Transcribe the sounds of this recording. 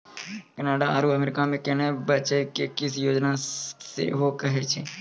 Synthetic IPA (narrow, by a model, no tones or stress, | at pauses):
kənaːɖaaːɾuəmeɾɪkamẽkenebət͡ʃekekɪsjoːd͡ʒnasḛɦokəɦet͡ʃʰeː